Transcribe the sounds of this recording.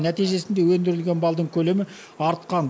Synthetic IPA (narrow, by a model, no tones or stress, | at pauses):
næt̪ijʒe̞sɪnd̪e̞wɵnd̪ɪɾɪlɡʲe̞nbɑlˠd̪əɴkʲʰɵle̞mɪ | ɑɾt̪qɑn